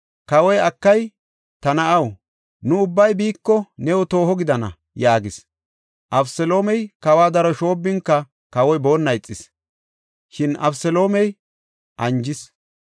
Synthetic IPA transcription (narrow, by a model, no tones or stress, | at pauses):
kɐwɔjɐkːɐj | t̪ɐnɐɐw | nʊʊbːɐjbiːkːɔnɛwɔt̪o̞ːɦɔɡɪd̪ɐnɐ̰ | jaːɡɪs | ʔɐbsɛlo̞ːmɛjkɐwaːd̪ɐɾɔʃo̞ːbːɪŋkːɐ | kɐwɔjbo̞ːnːɐjɪt͡sʼːɪs | ʃɪnɐbsɛlo̞ːmɛj | ʔɐnd͡ʒɪs